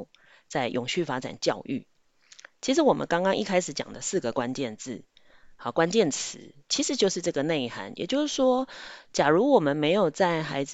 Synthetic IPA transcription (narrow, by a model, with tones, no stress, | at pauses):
t͡sa˥˩ɪjʔʊ˨˩ŋɕy˥˩fa˥ʈ͡ʂa̰˨˩nt͡ɕjɑ˥˧ʊʔy̰˥˩ | t͡ɕʰi˧˥ʂ̬̩˧˥wɔ˨˩mʔə̰˦nkɑ˥ŋkɑ˥ŋʔḭ˥˩kʰa˥ɪʂɻ̩˧˥˦t͡ɕjɑ̰˨˩ŋd̪ə˦sɹ̩˥˩ɡə˩kwa˦nt͡ɕjɛ˥˧nt͡sɹ̩˥˩ | ɑ˨˩˦kwa˦˥nt͡ɕjɛ˥˨nt͡s̩ʰ˧˦t͡ɕʰi˧˥ʂɻ̩˧˥t͡ɕjo˥˧ʊʂ̩˥˧ʈ͡ʂɤ˥˩ɡə˩ne˥˧ɪ˩xa̰˧˥njɛ̰˨˩t͡ɕjo˥˧ʊʂɻ̩˥˩ʂwɔ˥t͡ɕja˨˩ɻu˧˥wɔ˨˩mə˦nme˧˥ɪjo˨˩ʊt͡sa˥˩ɪxa˧˥ɪd͡z